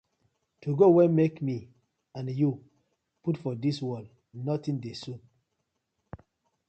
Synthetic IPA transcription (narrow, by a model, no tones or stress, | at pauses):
tuɡowɛ̃nmekmi | ãnju | putfɔdiswɔl | nɔtĩndesũn